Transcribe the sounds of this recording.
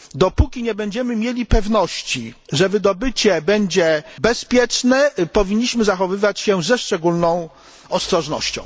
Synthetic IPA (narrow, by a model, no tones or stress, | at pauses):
d̪ɔpukʲiɲɛbɛɲd͡ʑɛmɘmʲjelʲipɛvn̪ɔɕt͡ɕiʐɛvɘd̪ɔbɘt͡ɕɛbɛɲd͡ʑɛbɛspʲjɛt͡ʂnɛpɔvʲiɲːiɕmɘzaxɔvɘvat͡ɕɕɛzɛʂt͡ʂɛɡulnɔ̃w̃ | ɔst̪ɾɔʐnɔ̰ɕt͡ɕɔ̰̃w̃